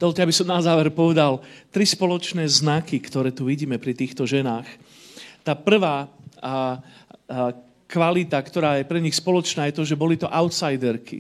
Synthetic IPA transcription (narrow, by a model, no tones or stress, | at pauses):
d̪ɔlcaabisɔmnazaːʋɛɾpɔʋɛd̪alt̪ɾispɔlɔt͡ʃnɛːznakikt̪ɔɾɛːt̪uʋiɟiːmɛpɾit̪iːxt̪ɔʒɛnaːx | t̪aːpr̩ʋaː | kʋalit̪akt̪ɔɾaːjɛpɾɛɲixspɔlɔt͡ʃnaːjɛt̪ɔʒɛbɔlit̪ɔʔaʊt̪sajd̪ɛɾkḭ